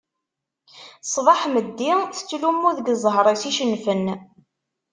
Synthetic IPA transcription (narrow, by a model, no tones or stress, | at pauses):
sˤvɑħməd̪ːiθt͡sːlumːuðɡzˤɦɾˤɑsiʃənfən